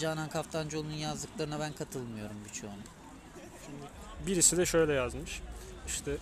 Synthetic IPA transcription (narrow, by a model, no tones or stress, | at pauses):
d͡ʒaːnankʰaft̪ʰand͡ʒo̞lˠununjazd̪ɯklˠaɾɯnaβænkʰat̪ʰɯlˠmɯjo̞ɾumbit͡ʃʰoːnu | ʃimd̪ɪ | biɾisid̪ɛʃø̞jlʲlʲɛjazmɯʃiʃt̪ʰɛ